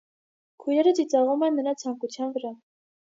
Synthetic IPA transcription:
kʰujnɛɾət͡sit͡sɑʁumɛnmənɑt͡sʰɑŋkut͡sʰjɑnvəɾɑ

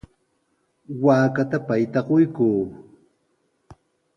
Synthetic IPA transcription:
waːkat̪apajt̪aqojkuː

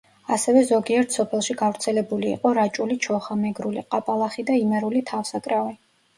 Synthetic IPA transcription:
asɛvɛzɔɡiɛɾt̪ʰsɔpʰɛlˠʃiɡavɾt̪sʰɛlɛbulḭːqʼɔɾat͡ʃʼulit͡ʃʰɔχamɛɡɾuliqʼapʼalˠaχid̪aimɛɾulit̪ʰafsakʼɾavi

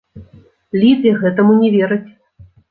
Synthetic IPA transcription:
lʲit̪jɛɣɛt̪ɐmunʲɛvʲeɾɐt͡sʲ

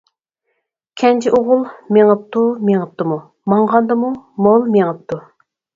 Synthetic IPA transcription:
kʲʰɛnt͡ʃʰiʔoʁʊlˠmeŋəp̚t̪ʰumeŋəp̚t̪ɨmu | mɑɴʁɑnd̪ɨmumolˠmeŋəp̚t̪ʰu

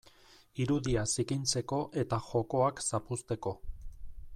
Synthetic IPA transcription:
iɾuðiasikint͡se̞ko̞ʔe̞t̪aʝo̞ko̞aksapust̪e̞ko̞

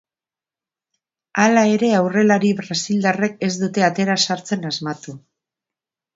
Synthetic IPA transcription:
alae̞ɾe̞awre̞laɾiβɾasild̪are̞ke̞zd̪ut̪e̞at̪e̞ɾasaɾt͡se̞nazmat̪u

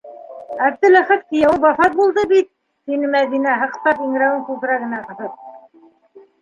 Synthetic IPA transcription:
æb̚d̪ɘ̆læχæt̪̚k̪ijæwɤbɑθɑt̪̚bulˠd̪ɤbit̪̚ː | inɘmæðinæɦɤ̆qt̪ɑpiŋɘ̆ɾæwɘŋkult̪ɘ̆ɾæɡɘ̆næqɤ̆θɤp̚

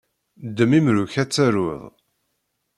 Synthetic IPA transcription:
d̪ːəmimɾuçæt͡sːæɾʊ̰ðˤ

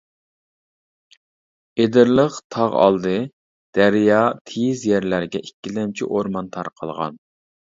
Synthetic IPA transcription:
ed̪ɪɾlˠəqt̪ʰɑʁɑ̰lˠd̪ɨ | d̪̥æɾjɑt̪ʰejizjɛɾlæɾɡʲɛʔikʲːilɛmt͡ʃʰiʔoɾmɑnt̪ʰɑɾqʰəlˠʁɑ̰n

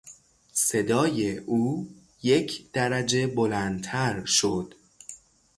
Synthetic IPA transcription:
se̞d̪ɒːje̞ʔuː | je̞cʰd̪̥æɾæd͡ʒe̞bolænt̪ʰæɾʃod̪̥

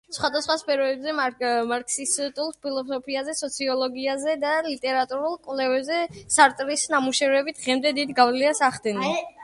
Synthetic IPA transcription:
sχwad̪asχwaspʰɛɾɔɛbzɛmaɾkʼsist̪ʼulˠspʰilˠɔsɔpʰiazɛsɔt̪sʰiɔlˠɔɡiazɛd̪alit̪ʼɛɾat̪ʼuɾulˠkʼwlɛvɛbzɛsaɾt̪ʼɾisnamuʃɛvɾɛbit̪̚ʰʁɛmd̪ɛd̪id̪ɡavliasaχd̪ɛni

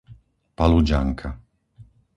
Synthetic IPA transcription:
palud͡ʒaŋkʰa

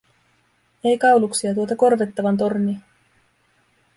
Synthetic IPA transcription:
e̞jkɑwluksiɑt̪uot̪ɑko̞rʋet̪ːɑʋɑnt̪o̞rni

